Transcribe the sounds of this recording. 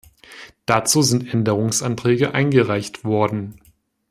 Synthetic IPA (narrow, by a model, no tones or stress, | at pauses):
d̥at͡suːzɪntʔɛndəʁ̞ʊŋsʔantʁ̥ɛːɡəʔa̰ɪnɡəʁaɪçtv̥ɔɐdn̩